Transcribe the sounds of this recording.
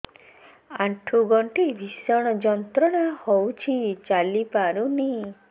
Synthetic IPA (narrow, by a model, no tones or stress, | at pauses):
aʈʰuɡɔɳʈebʱisɔɽ̃ɔd͡ʒɔnt̪ɾɔɽ̃ahowt͡ʃʰit͡ʃalipaɾuni